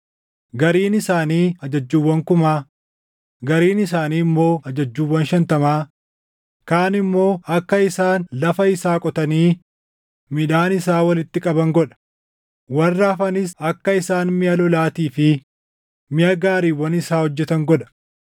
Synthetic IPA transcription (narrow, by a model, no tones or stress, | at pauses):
ɡɐɾiːnɪsaːniːɐd͡ʒɐd͡ʒːuːwːɐŋkʊmaː | ɡɐɾiːnɪsaːniːmːo̞ːɐd͡ʒɐd͡ʒːuːwːɐnʃɐnt̪ɐmaː | kaːnɪmːo̞ːɐkːɐɪsaːnlɐfɐɪsaːkʼɔt̪ɐniː | mɪᶑaːnɪsaːwɐlɪt̪ːɪkʼɐbɐŋɡɔᶑɐ̥ | wɐrːaːfɐnɪs̬ɐkːɐɪsaːnmɪjɐlɔlaːt̪iːfɪ | mɪjɐɡaːɾiːwɐnɪsaːhɔd͡ʒːɛt̪ɐŋɡɔᶑɐ̥